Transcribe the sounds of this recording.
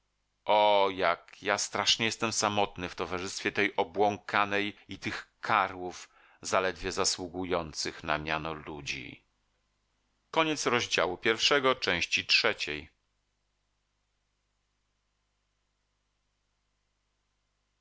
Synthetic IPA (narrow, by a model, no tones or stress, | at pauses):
ʔɔjakjast̪ɾaʂɲɛjɛst̪ɛmsamɔt̪nɘft̪ɔvaʐɘst̪fʲjɛt̪ɛjʔɔbwɔŋkʰanɛjit̪ɘxkʰaɾwuf | zalɛd̪vʲjɛzaswuɡujɔnt̪sɘxna̰mʲjanɔlud͡ʑḭ | kɔɲɛt̪sɾɔʑd͡ʑa̰wupʲjɛɾfʂɛɡɔt͡ʂɛ̃w̃ɕt͡ɕitʂɛt͡ɕɛj